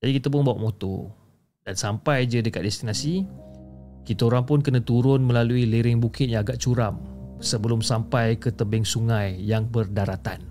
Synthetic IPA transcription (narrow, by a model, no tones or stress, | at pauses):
d͡ʒadikit̪ap̬ʊnbawaʔmõt̪o̰ | dansampajd͡ʒədəkat̪̚dɛst̪inasi | kit̪aoɾaŋpʊnkənãt̪uɾʊnmə̃laluiliɾɪŋbukɪt̪̚ɲãːɡaʔt͡ʃuɾamsəbəlʊmsampajkət̪əbɪŋsuŋãjːaŋbərdaɾat̪a̰n